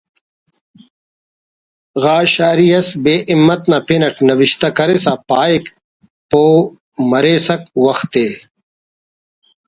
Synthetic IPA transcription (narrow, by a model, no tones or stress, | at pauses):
ɣaːɕaːɾijɐsbeːʔimːɐt̪napenɐʈnɐwiɕt̪ɐkɐɾesapaːik | poː | mɐɾeːsɐkwɐxt̪eː